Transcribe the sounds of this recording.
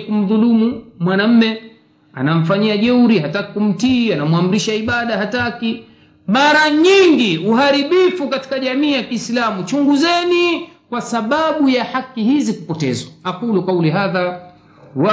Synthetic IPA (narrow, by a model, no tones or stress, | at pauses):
kum̩ðulumumwanam̩mɛ | a̰nam̩faɲiaʄɛuɾihatakikum̩tianamwam̩ɾiʃaiɓaɗahataki | ɓaɾaɲiŋɡiuɦaɾiɓifukati̥kaʄamiːjakiːslamut͡ʃuŋɡuzɛnikwasaɓaɓujahakihizikupɔtɛ̰zwaakulukauliɦaða | wa